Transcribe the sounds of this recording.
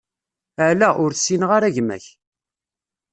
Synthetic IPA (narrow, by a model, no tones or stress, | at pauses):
əʕlæʔʊɾθsinəʁaɾæʝmæ̰ç